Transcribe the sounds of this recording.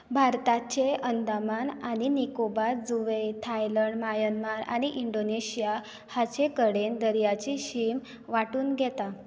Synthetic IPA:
bʱaɾt̪at͡ɕeənd̪amanaɽinikobaɾd͡zuʋet̪ʰajləɳɖmajənmaɾa̰ɽ̃iʔiɳɖoneɕija | hat͡ɕekəɽend̪əɾjat͡ɕiɕim | ʋaʈuːnɡʱɛt̪a

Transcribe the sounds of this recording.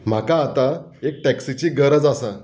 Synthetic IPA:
m̤akaːt̪aek̚ʈɛksit͡ɕiːɡəɾəd͡zasa

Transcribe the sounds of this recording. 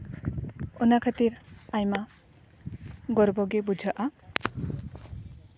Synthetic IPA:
onakʰat̪iɾajma | ɡɔɾbɔɡebud͡ʒʱɔʔa

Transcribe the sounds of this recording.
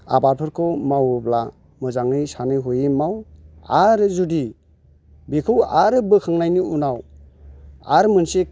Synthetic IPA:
a̰baɾpʰɯɾkʰɯmawubla | mɯzaŋɯjsanɯjɦujimawaɾɯzudi | bikʰɯwaɾɯbɯkʰaŋnajniunaw | a̰ɾmɯnsik

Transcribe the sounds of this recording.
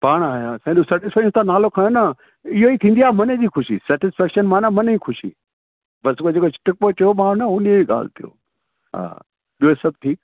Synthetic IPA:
paːɽ̃aːjasɛ̃ːɗosɛʈɪsfaːɪ̃t̪ʰãnaːlokʰɐɽ̃onɐ | ɪɦoit̪ʰĩːn̆d̪iaːmɐned͡ʑiːxʊʃisɛːʈɪsfɛːkʃənmãnamɐniːxʊʃḭ | bɐskod͡ʑeːkot͡ɕɪ̥ʈɪk̚pot͡ɕɐjomãːnɐʊnieiɠa̰ːl̤t̪ʰijo̰ | ɦa̰ː | ɗiesɐb̚tʰiːk

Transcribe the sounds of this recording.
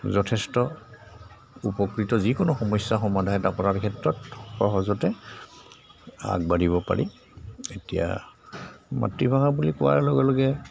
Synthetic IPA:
zɔtʰɛstɔ | upɔkɹitɔzikʊnʊxɔmɔjsːaxɔmadʱaɦɛdapɔɹaɹkʰɛtɹɔtxɔɦɔzɔtɛ | a̰ɡ̚badiβɔpa̰ɹi | etija̰ | ma̰tɹibʱaŋabulikʊwa̰ɹlɔɡɛlɔɡɛ

